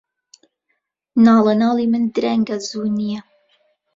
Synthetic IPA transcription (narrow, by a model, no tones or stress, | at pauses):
nɑːlˠənɑːlˠimɨnd̪ɾɛŋɡazuːnijɛ